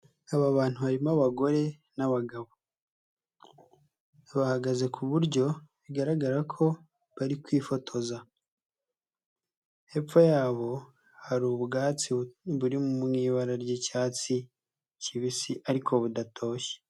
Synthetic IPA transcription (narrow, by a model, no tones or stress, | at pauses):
aβaβaːn̥huhaɾimaβaɡo̞ɾe̞ | naβaɡaβo | βahaɡaze̞kʰuβuɾɟo̞βiɡaɾaɡaɾakʰo̞ | βaɾikwiːfo̞tʰo̞za | he̞p͡fojaːβo̞ | haɾuːβuɡaːt͡siβuɾimumŋiːβaɾaɾɟecaːt͡si | ciβisiʔaɾikʰo̞βudatʰo̞ːʃe̥